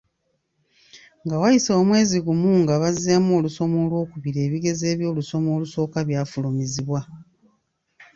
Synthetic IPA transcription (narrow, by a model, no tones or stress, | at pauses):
ŋɡawajiso̞ːmwe̞ːziɡumuːŋɡaβazamoluso̞moːlwo̞ːkuβiɾe̞ːβiɡe̞ze̞ːβjo̞ːluso̞mo̞ːluso̞ːkaβjaːfulumiziβwa